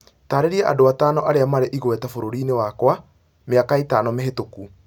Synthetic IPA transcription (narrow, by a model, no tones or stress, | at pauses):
taɾeɾiaʔa̰doataːnɔʔaɾeamaɾeʔiɣwɛtafoɾoɾiːnewakwa | meakaetaːnɔmeɦetoku